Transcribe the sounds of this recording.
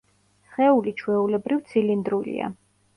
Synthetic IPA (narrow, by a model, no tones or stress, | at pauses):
sχɛulit͡ʃʰwɛulɛbɾivt̪sʰilind̪ɾulḭa̰